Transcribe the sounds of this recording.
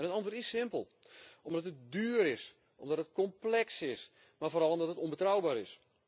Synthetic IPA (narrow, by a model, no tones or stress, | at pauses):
nətɑntortɪssɪmpəlˠɔmdɔtət̚dyːəɾɪs | ʔɔmdɔtət̚kɔmplɛksɪs | marfoːɾɑlˠomdɔtətɔnbətrawbaːɾɪs